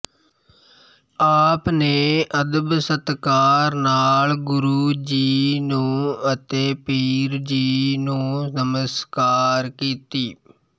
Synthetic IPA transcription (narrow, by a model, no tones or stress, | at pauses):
aːpneːəd̪əbsət̪kaːɾnaːlɡʊɾuːd͡ʒiːnũːət̪eːpiːɾd͡ʒiːnũːnəməskaːɾkiːt̪iː